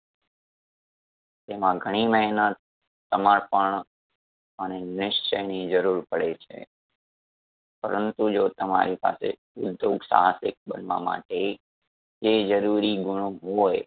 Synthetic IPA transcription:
t̪emãɡʱəɽ̃iməɦinət̪ː | əmaɽpəɳ | ənenɪʃt͡ʃəjnid͡ʒəɾuɾpəɽet͡ʃʰḛ | pəɾənt̪ud͡ʒot̪əma̰ɾipa̰sḛ | ʊd̪joɡsa̰ɦasɪk̚bənʋa̰ma̰ʈe | d͡ʒed͡ʒəɾuɾiɡʊɳ̃oɦoj

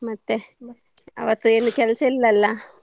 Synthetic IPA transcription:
mɐt̪ːe | ɐ̰ʋɐt̪ːueːnukɛlɐsɐilːɐlːɐ

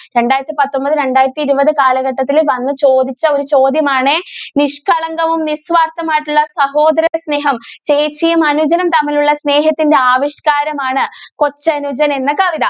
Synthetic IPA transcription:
ɾe̞ɳɖaːjɐɾɐt̪ːipɐt̪ːo̞mbɐðɨɾe̞ɳɖaːjɾɐt̪ːiːɾubɐðɨkaːlɐɣɐʈːɐt̪ːilʋɐnːɨt͡ɕo̞ːd̪it͡ɕːɐo̞ɾut͡ɕo̞ːd̪jɐmaːɳɨniʂkʰɐɭɐŋɡɐʋumnisʋaːrt̪ːɐmaːjʈːuɭːɐsɐɦo̞ːd̪ɐɾɐðɐsne̞ːɦɐmt͡ɕeːt͡ɕːijɐmɐnud͡ʑɐnɐmt̪ɐmːɐluɭːɐsne̞ːɦɐt̪ːinde̞aːʋiʂkaːɾɐmaːɳɨko̞t͡ɕːɐnud͡ʑɐnɐenːɐkɐʋid̪ɐ

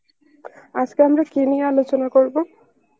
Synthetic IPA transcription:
azkeamɹakinialot͡ʃɔnakoɹibɔ

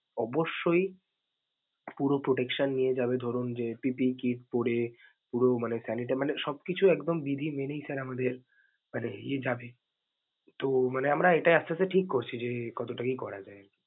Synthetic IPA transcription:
ɔboʃːoj | puɾopɾoʈekʃanːijed͡ʑabed̪ʱoɾund͡ʑepipikiʈ̚poɽe | puɾomanesɛniʈ̬emaneʃɔb̚kit͡ɕʰuɛkd̪ombid̪ʱimenejsaɾamad̪eɾ | maneied͡ʑabe | t̪omaneamɾaeʈajast͡ʃʰaseʈʰikːoɾt͡ɕʰid͡ʑekɔt̪oʈakikɔɾad͡ʑae

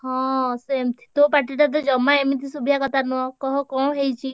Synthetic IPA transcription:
hɔ̃semt̪ʰi̥t̪opaʈiʈat̪̬ɔd͡ʒɔmːaemit̪isubijakɔt̪ʰanuɔ̃kɔɦɔ̃kɔɽ̃ɦejt͡ʃʰi

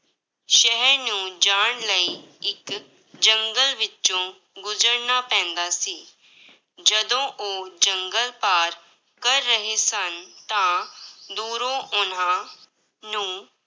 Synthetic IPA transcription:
ʃəɦəɾnũːd͡ʒaːɳ̃ləiː | ɪk | d͡ʒəŋɡəlʋɪt͡ʃõː | ɡʊzəɾnaːpɛ̃ːnd̪aːsiː | d͡ʒəd̪õːʔoːd͡ʒəŋɡəlpaːɾ | kəɾːəɦeːsənt̪ãːd̪uːɾõːʔʊn̤ãː | nũː

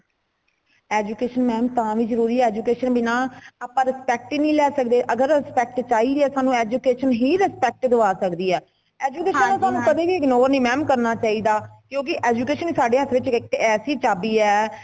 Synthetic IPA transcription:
eːd͡ʒuːkeːʃənmɛ̃ːmt̪ãːʋiːzəɾuːɾiːɛːd͡ʒuːkeːʃənbɪnãːaːpãːɾɪspɛːk̚ʈːnĩːlɛːsək̚d̪eːʔəɡəɾɪspɛːk̚ʈt͡ʃaːiːd̪ɛːsaːnũːeːd͡ʒuːkeːʃənɦiːɾɛspɛːk̚ʈd̪əʋaːsəkd̪iːɛː | eːd͡ʒuːkeːʃənːãːsaːnũːkət̪eːkiɪknoːɾnĩːmɛːmkəɾnaːt͡ʃaːiːd̪aːkjõːkɪʔeːd͡ʒuːkeːʃənisaːɖeːət̪ʰʋɪt͡ʃɪkt̪eɛːsiːt͡ʃaːbiːɛː

